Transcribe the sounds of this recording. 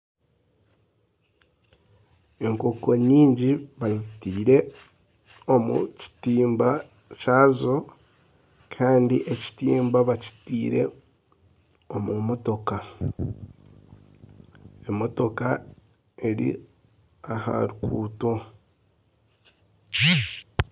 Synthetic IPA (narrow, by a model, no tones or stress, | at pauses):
e̞ŋko̞ko̞ɲiːɲɟiβazitiːɾe̞ | o̞mṵci̥tiːmba | caːzo̞ | kʰaːndiʔe̞ci̥tiːmbaβaci̥tiːɾe̞ | o̞mumo̞to̞ka | emo̞to̞ka | e̞ɾḭ | aha̰ɾukʰṵːto̞